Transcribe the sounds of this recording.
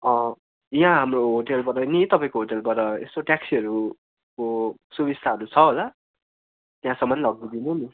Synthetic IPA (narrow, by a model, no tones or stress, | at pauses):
ʌ̃ | jɦãɦamroɦoʈelbʌɾʌnit̪ʌpãĩkoɦoʈelpʌɾʌḛst̪oʈjaksiʌɾu | kosubist̪ʰaɦʌɾut͡sʰʌɦola | t̪jɦãsʌmːʌnlʌɡ̚d̪id̪inuni